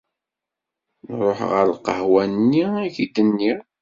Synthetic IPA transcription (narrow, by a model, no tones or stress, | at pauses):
nɾˤoħʁə̰ɾqə̰hwænnːiæçid̪ənːi